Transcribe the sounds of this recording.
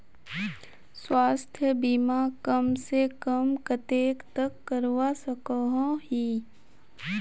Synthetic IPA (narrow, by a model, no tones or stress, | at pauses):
swaːst̪ʰjəbimakəmsekəmkət̪eːkt̪əkːəɾwasəkəɦõɦiː